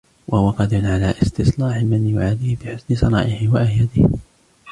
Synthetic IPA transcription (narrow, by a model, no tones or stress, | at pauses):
wʔahʊwaqɑd̪ʊnʕalaːʔɪst̪ɪslɑːħɪmanjʊʕaːd̪ihɪbɪħʊsnɪsˤɑɾˤɑ̰ːʔɪhɪwaʔajad̪ɪh